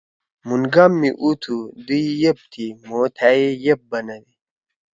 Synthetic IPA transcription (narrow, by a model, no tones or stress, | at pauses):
munɡamːiʔut̪ʰud̪uijep̚t̪ʰimoːt̪ʰajejep̚bɐnɐdi